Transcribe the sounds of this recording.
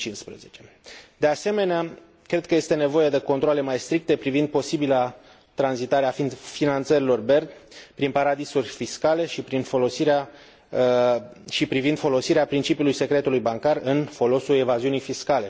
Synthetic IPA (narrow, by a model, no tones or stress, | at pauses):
t͡ʃinspɾezet͡ʃe̞ | d̪e̞ase̞me̞nea | kɾe̞d̪̚kəje̞st̪e̞ne̞vo̞jed̪e̞ko̞nt̪ɾoale̞majst̪ɾik̚t̪e̞pɾivind̪̚po̞sibila | t̪ɾanzit̪aɾeaffinant̪səɾilo̞rbe̞rd̪pɾinpaɾad̪isurʲfiskale̞ʃipɾinfo̞lo̞siɾea | ʃipɾivind̪fo̞lo̞siɾeapɾint͡ʃipiulujse̞kɾe̞t̪ulujbaŋkarɨnfo̞lo̞sue̞vaziunijfiskale̞